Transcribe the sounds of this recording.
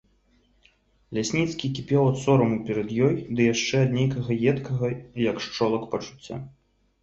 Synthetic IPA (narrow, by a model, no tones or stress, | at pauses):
lʲasʲnʲit̪skʲikʲipʲɛwɐt̪sɔɾɐmupʲɛɾɐd̪jɔjd̪ɨjaʂt͡ʂɛɐd̪nʲejkɐɣɐjɛt̪kɐɣɐjɐkʂt͡ʂɔlˠɐkpɐt͡ʂu̥t͡sʲːa̰